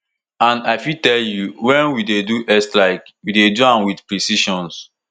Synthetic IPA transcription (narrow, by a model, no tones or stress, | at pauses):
ãnaɪfitɛljuwɛ̃nwideduʔɛstlaɪkwideduãnwidpɹisiʃɔ̃ns